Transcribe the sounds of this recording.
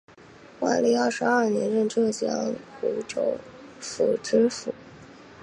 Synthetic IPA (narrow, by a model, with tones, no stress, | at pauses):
xwa̰˥˩nli˥˧a˞˥˩ʂɻ̩˧˥ɐ˥˩njɛ˧˥nɻə˥˧nʈ͡ʂɤ˥˩t͡ɕjɑ̰˥ŋxu˧˥ʈ͡ʂo˧˥ʊ | fu˨˩ʈ͡ʂɻ̩˥fu˨˩